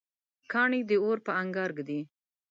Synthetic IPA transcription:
kɑɳid̪əoɾpəaŋɡɑɾɡd̪i

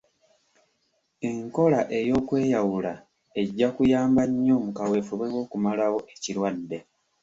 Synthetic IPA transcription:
eŋko̞laʔe̞jo̞ːkwe̞ːjawula | e̞ɟːakujaːmbaɲːo̞ːmukawe̞ːfuβwewo̞ːkumalawo̞ʔecilwadːe̞

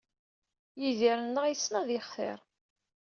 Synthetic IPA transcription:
jiðiɾənːəʁijsːnæðɪχθɪ̰ɾˤ

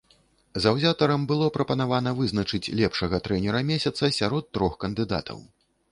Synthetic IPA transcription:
zɐwzʲat̪ɐɾɐmbɨlˠɔpɾɐpɐnavanɐvɨznɐt͡ʂɨt͡sʲlʲɛpʂɐɣɐt̪ɾɛnʲɛɾɐmʲɛsʲɐt̪sɐsʲaɾɔt̪ːɾɔxkɐnd̪ɨd̪a̰t̪ʰɐ̰w

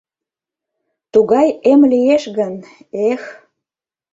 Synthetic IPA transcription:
t̪uɣɑjemlijeʃɣənex

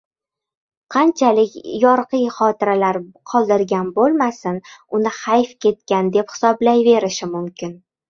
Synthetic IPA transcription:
qʰɑnt͡ʃʰalɪkʲjɒɾqɨjχɒt̪ɪɾalaɾqʰɒlˠd̪ɪɾɡʲanbolˠmasɪnʊnɪhajfkʲʰe̞t̪̚kʲand̪e̞phɪ̥sɒblajve̞ɾɪʃɪmʊmkʲɪn

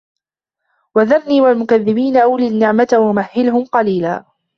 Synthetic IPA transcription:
waðaɾniːwalmʊkaðːɪbiːnaʔawliːnːɪʕmat̪awamahːɪlɦʊmqɑliːlaː

